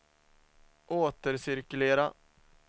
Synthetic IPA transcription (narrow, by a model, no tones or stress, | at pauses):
ʔoːt̪əɾsɪɾkɵleːɾa